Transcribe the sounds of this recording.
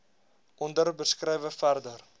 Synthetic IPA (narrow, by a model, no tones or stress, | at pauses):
ʔɔndərbəskrɛjvəfærdər